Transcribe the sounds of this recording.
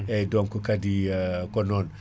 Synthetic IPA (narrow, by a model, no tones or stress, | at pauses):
edoŋkukadikonon